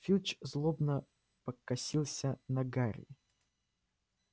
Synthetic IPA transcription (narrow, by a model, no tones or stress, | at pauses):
fʲilʲt͡ɕzlˠobnə | pəkːɐsʲilˠsʲənɐɡaɾʲɪ̰